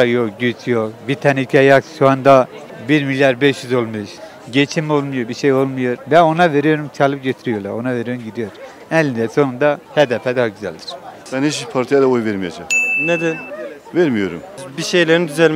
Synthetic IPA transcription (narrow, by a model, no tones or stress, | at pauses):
ajokɟyt͡ʃjokbit̪ʰanicʰiajakʃuand̪a | biɾmilʲjaɾbɛʃjyzo̞lˠmɯʃ | ɟet͡ʃʰimo̞lˠmujobiʃejo̞lˠmujoɾbɛo̞nave̞ɾijo̞ɾumt͡ʃʰalˠɯp̚ɟet̪ʰiɾijoɾlˠa̰ɾo̞naveɾijoɾumɟid̪ijoɾ | ɛlʲːind̪ɛso̞nund̪ahɛd̪ɛfɛd̪ahaɟyzæ̰lʲd̪i̥ɾ̥bænhit͡ʃbipʰaɾt̪ʰijalˠaojveɾmijad͡ʒaχnɛd̪ɛ | vɛɾmijo̞̰ɾṵmbiʃejlʲeɾnd̪yzɛlʲ